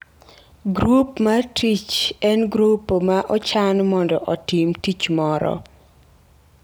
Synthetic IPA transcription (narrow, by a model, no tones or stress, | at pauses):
ɡɾupmatʰit͡ʃɛnɡɾupːomaʔɔt͡ʃanmɔndɔʔɔtimtit͡ʃmɔɾɔ̰